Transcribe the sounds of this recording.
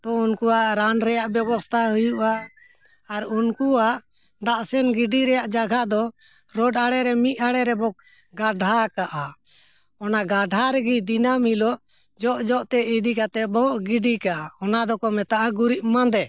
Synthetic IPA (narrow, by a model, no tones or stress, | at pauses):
t̪ɔunkuaɾanɾɛjaʔbjɛbɔst̪ʰaɦujuʔaː | ɾunkuaʔ | d̪aʔsɛnɡiɖiɾɛjaʔd͡ʒaɡʱad̪ɔ | ɾɔɖaɽɛɾɛmiʔ̪aɽɛɾɛbɔk | ɡaɖʱakaʔa | ɔnaɡaɖʱaɾɛɡid̪inamhilɔ | d͡ʒɔʔd͡ʒɔʔt̪ɛid̪ikat̪ɛʔbɔɡiɖikaʔaɔnad̪ɔkɔmɛt̪aʔaɡuɾiʔmand̪ɛ